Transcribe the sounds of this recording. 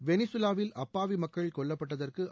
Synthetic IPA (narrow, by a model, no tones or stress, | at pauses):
ʋɛnɪsɯlaːʋɪlʔɐpːaːʋimɐkːɐɭkɔɭːɐpːɐʈːɐðɐrkɯ